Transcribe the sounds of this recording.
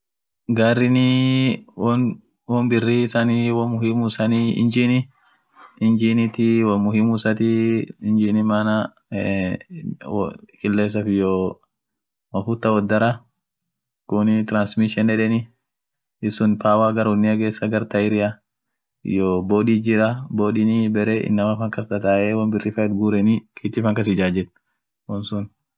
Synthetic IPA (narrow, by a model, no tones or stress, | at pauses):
ɡaːrːɪnɪ | ɔn | wɔmbɪrːisaniwɐmʊhimusɐniɪ̰nd͡ʒiːnɪ | ɪnd͡ʒiːnɪt̪ɪwɐmʊhɪmʊsɐt̪ɪɪnd͡ʒinɪmaːna | kɪlːeːs̬ːɐfɪjɔ | mɐfut̪ːɐwɔd̪ːɐɾɐ | kʊnɪt̪ɪɾansmɪʃɛnɛᶑɛnɪ | ɪsʊnpaːwaːɡɐɾʊnːɪɐɡeːsːɐɡɐɾt̪ɐɪɾɪja | ɪ̰joːboːᶑiːd͡ʒɪɾɐboːᶑɪnibɛɾeʔɪ̰nːɐmɐfɐŋkɐsd̪ɐt̪aːʔeːwɐnbɪrːɪfɐɛt̪ɡuːɾɛnɪkʰiːt̪ːɪːfɐŋkɐs̬ɪd͡ʒaːd͡ʒɛt̪ | wɐnsʊn